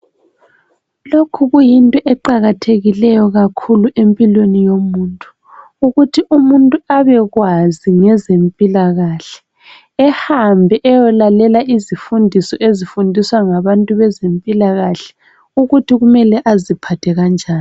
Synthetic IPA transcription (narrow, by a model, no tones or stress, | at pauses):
lokʰuɣujintʼɔʔɛǃaɣatʰeɣilɛjɔɣakʰuluʔempʼilwenijomuːntʼu̥ | uɣutʰiʔumuntʼuaβɛɣwaziŋɛzempʼilaɣaɬɛ̥ː | hambʱɛʔɛjɔlalɛlaizifundʱisɔʔezifundʱiswaŋaβantʼuβɛzempʼilaɣaɬɛ̥ | uɣutʰiɣumɛlɛʔazipʰatʰɛɣand͡ʒʱaːn